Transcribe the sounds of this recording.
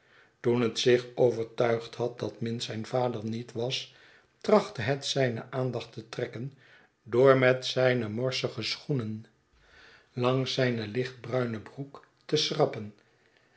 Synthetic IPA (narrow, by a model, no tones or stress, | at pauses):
tunɦətsɪχowvəɹtœɥχtɦɑt̚dɑtmɪnsɛjnvaːdəɹnitʋɑs | trɑχtəɦətsɛjnə̰ʔaːndɑχtətrɛkən | doːɹmɛtsɛjnəmɔɹsəχəsχunən | lɑŋsɛjnəlɪχd̚brœɥnəbruk | təsrɑpən